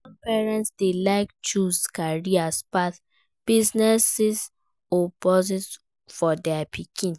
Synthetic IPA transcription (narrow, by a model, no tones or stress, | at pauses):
sɔmpɛɹɛ̃ntsdelaɪk̚t͡ʃuskaɹiaspaθ | b̥iznɛsis | opɔzit | fɔdɛapʰikʰĩn